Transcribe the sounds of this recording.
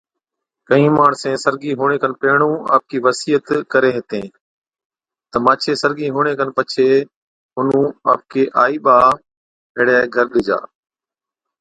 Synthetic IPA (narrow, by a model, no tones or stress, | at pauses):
kəɦĩːmaːɽsẽːsəɾɡiːɦuːɽ̃eːkənpeːɦɳ̃ũːa̰ːp̚kiːʋəsiːət̪kəɾeːɦɪt̪ẽː | t̪əmaːt͡ʃʰeːsəɾɡiːɦuːɽ̃eːkənpət͡ʃʰeː | ɦʊnũːa̰ːp̚kʰeːʔaːiːɓaː | ɪːɽɛːɡʱəɾɗɪd͡ʒa̰ː